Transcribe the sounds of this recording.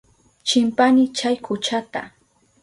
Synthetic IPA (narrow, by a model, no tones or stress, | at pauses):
t͡ʃɪmpanɪt͡ʃajkʰʊt͡ʃat̪a̰